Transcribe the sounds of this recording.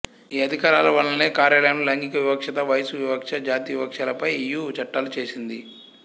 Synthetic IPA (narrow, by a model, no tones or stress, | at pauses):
iːɐd̪ʱikaːɾaːlɐʋɐlːɐne̞ːkaːɾjaːlɐjɐnulɐŋɡikɐʋibɐkʂɐt̪ɐʋɐjsuʋibɐkʂɐd͡ʒaːt̪iːʋɐkʂaːlɐpɐjijuːt͡ʃɐʈːaːlut͡ʃe̞ːsind̪i